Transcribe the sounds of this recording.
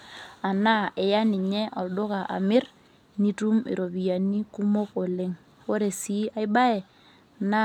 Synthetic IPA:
a˨na˦ɛ˨ja˦nɪ˨ɲɛ˦ʔɔ˨ldʊ˦ka˨ʔa̰˨mɪ˦r | ni˦tu˦mḭ˨ɾo˨bi˨ja˨ni˦ku˦mo˦ko˨lɪ˦ŋ | o˦ɾe˨si˦a˦ɪ˦ba˦ɛ˨ | na˦

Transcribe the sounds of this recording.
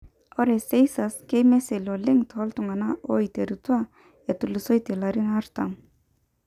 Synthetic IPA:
ɔ˦ɾɛse˦jsaskejmɛ˦selɔ˨lɪ˦ŋt̪hɔ˦lt̪ʊ˨ŋa˨naʔo˦it̪eɾut̪wa | e˨t̪u˨lɪso˦jt̪e˨laɾɪ˦na˦ɾt̪am

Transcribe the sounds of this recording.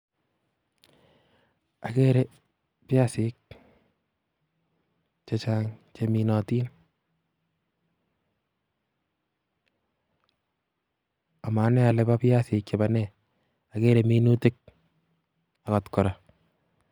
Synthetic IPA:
a˨ke˦ɾe˦ | pja˦sɪk̚ | t͡ʃe˨t͡ʃaː˦ŋt͡ʃemi˨nɔ˨tiː˦n | a˨ma˨˦nɛ˦a˨lɛ˨ba˦pja˦sɪ˨k̚t͡ʃe˨ba˨nɛ | a˨ke˦ɾeminu˦te˦k̚ | a˨ka˨tkɔ˨ɾa˨

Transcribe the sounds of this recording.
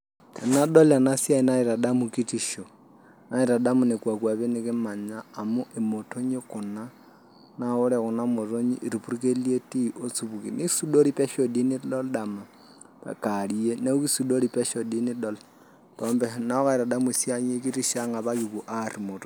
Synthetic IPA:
tʰa˨na˦ɗɔ˦la˨na˦sja˦i˦na˦iɾa˨da˦mu˨ki˦ti˦ʃo˨ | na˦i˨ɾa˨da˦mu˨ne˨kwa˨kwa˨βe˦ne˦kɪ˦ma˨ɲaː˦˨mo˦ʔe˨mo˨tʰo˦ɲe˦ku˨na˦ | na˨o˦ɾɛ˨ɣu˨na˦mo˨to˦ɲi˦ʔi˨ɾi˨pu˦ɾike˦lie˦ti˦ʔo˦t͡suβu˨ki˨ni˦su˦do˦ɾi˦pɛ˦ʃo˨di˦ni˦dɔ˦lɗama˨ | a̰˨kali˦e˦ne˦u˦ki˦su˨do˦ɾi˨pɛ˦ʃo˨di˦ni˦dɔ˦la | tɔː˦mbɛna˦o˦ka˦i˨ɾa˨da˦mu˨i˨sja˦ɲe˦k̬i˦ti˦ʃa˦ŋɡa˨βa˦kiku˨ʔari˨mo˨to

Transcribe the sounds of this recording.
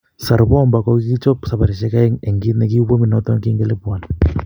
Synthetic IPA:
sa˨ɾbɔ˦˨mba˨kɔ˦ki˦t͡ʃɔ˦psa˨pa˨ɾi˨ʃɛ˦ka˦ŋɛ˨ŋɡi˦tnɛ˨ki˦bo˦mi˨nɔ˦tɔ˦ŋki˦ŋɡɛ˦le˦pwa˨n

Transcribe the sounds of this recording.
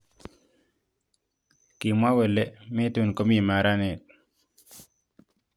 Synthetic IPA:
ki˨mwa˦we˨le˦me˦tu˨nko˦mi˦˨ma˨ɾa˦ne˨t̪̚

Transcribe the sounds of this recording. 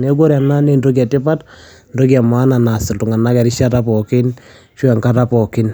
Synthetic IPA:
ne˦ɡo˦ɾa˨na˦ne˦nro˦k̬ja˨tɪ˦pa˦t | ndo˦kja˨ma˦na˨na˨sɪ˨ltu˨ŋa˨na˦kɛ˨ɾi˦ʃa˦ta˦pɔkɪ˦n | ʃwɛ˨ŋka˦ta˦pɔ˨kɪ˦n

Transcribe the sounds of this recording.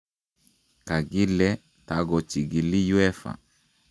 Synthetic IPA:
ka˨ɡi˦lɛ˦ | ta˨ɡɔ˨t͡ʃi˨ɡi˨lːi˦ju˦ɛ˦fa̰˨

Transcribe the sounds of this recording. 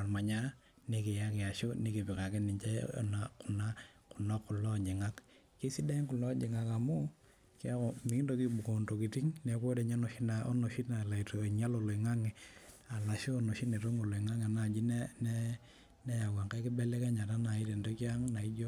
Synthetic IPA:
a˨nma˨ɲa˦ | ni˨ke˨ja˦kɛ˨a˨ʃo˦ni˦ki˨pɪ˨ka˨kɪ˦nɪ˨ɲt͡ʃɛ̰˦˨na˨kʊ˨na˦ | kʊ˨nɔ˦kːu˨lɔ˦˨d͡ʒi˨ŋa˦k | ke˦si˦da˦i˦ŋku˨lɔ˦d͡ʒi˨ŋa˨ka˨mu˦ | kja˦kɔ˨mi˦ndo˦ki˦bu˨ko˨ndo˨ki˨ti˦ŋnɛ˨ko˦dɛ˨ɲa˦no˨ʃi˦na˨o̰˦no˨ʃi˦tna˨la˨i˨to˨ɲa˦lo˨lo˨i˨ŋa˦ŋɛ˨a˨la˨ʃoː˦˨no˨ʃi˦tne˨to˦ŋo˨lo˨i˨ŋa˦ŋe˨a˨na˨d͡ʒi˦n˦nɛ˦ | nɛ˦ja˨ɡa˨ŋka˦kɪ˦bɛ˦lɛ˦kɛ˦ɲa˨ta˦na˨i˦te˨ndo˦kja˦ŋna˨i˦d͡ʒo˦

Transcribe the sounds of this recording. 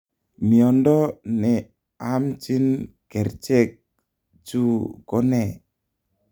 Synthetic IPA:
mi˨ɔ˨ndɔ˦nɛ˨ | a˦mt͡ʃi˦n | kɛ˨ɾt͡ʃɛ˦k̚ | d͡ʒu˦kɔ˦nɛ˦˨

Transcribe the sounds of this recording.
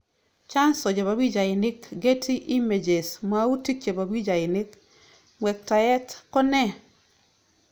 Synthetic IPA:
t͡ʃa˦nsɔ˨d͡ʒe˨βa˨bi˦d͡ʒa˨ɪ˨nɪ˦kɡe˦tʰi˦ʔi˦me˨d͡ʒe˨sma˨u˦ti˦ke˨ba˨bi˦d͡ʒa˨ɪ˨nɪ˦k | mwɛ˨k̚ta˨jɛ˦tkɔ˦nɛ˦

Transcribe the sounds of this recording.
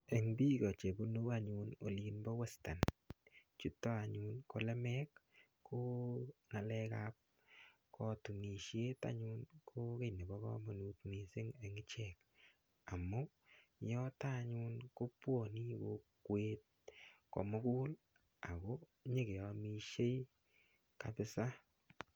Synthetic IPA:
e˨ŋbi˦kɔ˨t͡ʃe˨bu˦nu˦a˦ɲʊ˧no˨linbɔ˦we˦sta˨n | t͡ʃu˨tːɔ˦a˨ɲʊnko˨lɛ˦mɛ˦k | kʰːo˦ŋa˨lɛ˦kap̚ | kʰɔ˦tu˨ni˨ʃje˦ta̰˦ɲʊ˦nkʰo˦ke˦˨ne˨bɔ˦kɔ̰˦mɔ˨nu˨tni˨sɪ˦ŋe˨ŋɪ˦t͡ʃɛk̚ | a˨mːɔ˦ | jɔ˦ta˦ɲʊ˦nko˦pwo˨ni˦wo˨kwe˦t̚ | kɔ̰˨mɔ˦ku˦l | a˨kɔ˦ | ɲe˦ɡe˨ɔ˨mi˨ʃe˦j | kapɪ˦sa˦

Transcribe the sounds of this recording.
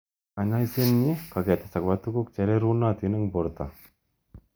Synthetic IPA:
a˨ɲa˦i˦se˦nɲe˦ka˨ɡɛ˨t̪e̥˨sa˨kbat̪u˦ku˦k̚t͡ʃɛ˨ɾe˦ɾu˦nːa˦t̪i˨˦nɛ˦ŋbɔ˨ɾt̪a˨

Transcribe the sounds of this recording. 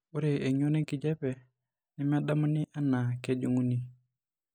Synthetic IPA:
u˦ɾe˨e˨ɲo˦ne˦ki˨d͡ʒɛ˦pɛ˨ | ni˦m˦a˦da˦ma˦ni˦ʔa˦na˨ke˦d͡ʒu˦ŋu˦ni˦

